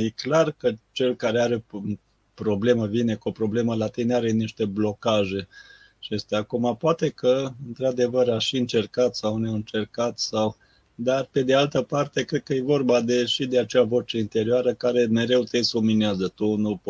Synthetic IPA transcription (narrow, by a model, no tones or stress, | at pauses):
jeklarkət͡ʃe̞lkaɾeaɾe̞ | pɾo̞ble̞məvine̞kuopɾo̞ble̞məlat̪ejnaɾe̞niʃt̪e̞blo̞kaʒe̞ | t͡ʃest̪eakumapoat̪e̞kʰəɨnt̪ɾad̪e̞vəɾaʃiɨnt͡ʃe̞rkat̪sawneɨnt͡ʃe̞rkat̪saw | d̪arpe̞d̪ealt̪əpart̪e̞kɾe̞d̪̚kəje̞vo̞rbad̪e̞ʃid̪e̞at͡ʃeavo̞t͡ʃe̞int̪e̞ɾioaɾəkaɾe̞me̞ɾe̞wt̪esumineazət̪unup